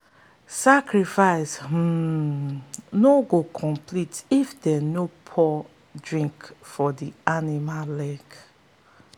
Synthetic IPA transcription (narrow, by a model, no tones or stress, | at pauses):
sakɹifaɪsm̩ | noɡokʰɔ̃mpʰlitifdɛnopʰɔ | dɹĩŋkfɔdianimalɛɡ